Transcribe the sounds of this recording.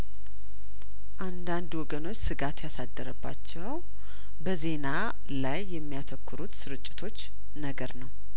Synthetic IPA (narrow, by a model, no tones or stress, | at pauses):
ʔand̪and̪wɔɡəno̞t͡ʃːsɨɡat̪jasad̪ːəɾəbːa̰t͡ʃːɛw | bəze̞na | lajːɛmːijat̪ʰəkːɨɾut̪sɨɾɨt͡ʃʼːɪ̥t̪ʰo̞t͡ʃː | nəɡəɾnəw